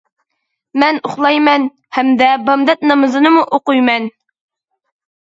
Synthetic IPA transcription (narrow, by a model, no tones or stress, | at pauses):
mɛnoχlˠɑjmɛn | hæmd̪ɛbɑmd̪ɛt̪̚nɑmɨzɨnɨmuʔoqujmɛn